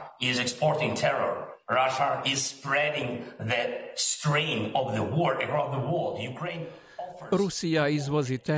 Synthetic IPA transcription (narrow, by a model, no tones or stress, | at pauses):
ɪzɛkspɔɹtɪ̃ŋtʰɛɹɔ̰ɹɹaʃəɪzspɹɛɾɪ̃ŋðɨstɹẽɪ̃nɔvðəwɔɹɨkɹɔsðəwɔlˠdjukʰɹẽɪ̃n | ɔfəɾusiaizwɔzit̪ɛ